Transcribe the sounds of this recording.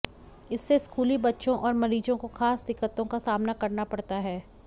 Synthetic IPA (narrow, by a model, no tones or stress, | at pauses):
ɪsːeskuːlibɐtːʃõʔɔːɾmɐɾiːzõkoxaːsd̪ɪkːət̪õkasaːmnakɐɾnapɐɽt̪aɦɛː